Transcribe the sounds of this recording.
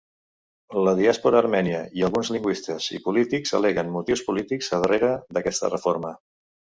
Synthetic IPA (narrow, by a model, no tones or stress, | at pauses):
ləðiaspuɾəːɾmɛniəiəlˠɣunzliŋɡwist̪əz̥ḭpulit̪ikzə̰lɛɣənmut̪iwspulit̪ikzəðəreɾəðəkɛst̪ə̰rəfoɾmə